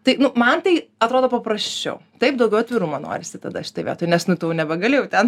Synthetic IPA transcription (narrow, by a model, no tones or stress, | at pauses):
t̪ɐɪnʊmɐnt̪ɐɪɐt̪ɾoːd̪oːpɐpɾɐsʲt͡ʃʲɛ̰ʊt̪ɐɪp̚d̪ɐʊɡʲɛʊɐt̪ʲʋʲiːɾumoːno̰ːɾʲɪsʲɪt̪ɐ̰d̪ɐʃʲɪ̥t̪ɐɪʋʲḭːt̪oːjɪnʲɛsʃnɐɪt̪oːjnʲɛbʲɛɡɐlʲeːjɛʊt̪ʲɛn